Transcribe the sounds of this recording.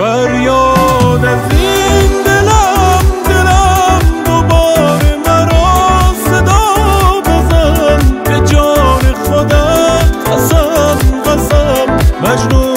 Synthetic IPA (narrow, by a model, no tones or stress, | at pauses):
baɾjɔnazind̪elamd̪elamd̪obɔːɾemaɾɔsed̪ɔbozanbed͡ʒɔneχod̪aasambasammad͡ʒnu